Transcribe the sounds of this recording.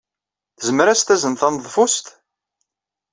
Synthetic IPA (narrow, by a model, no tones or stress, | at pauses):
θəzəmɾæst̪æzənθɑnðˤfust̪